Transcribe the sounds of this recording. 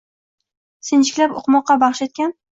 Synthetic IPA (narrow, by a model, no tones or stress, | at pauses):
sɪnt͡ʃʰɪ̥kʲlapo̰qmɒqːɑbɑχʃet̪̚kʲan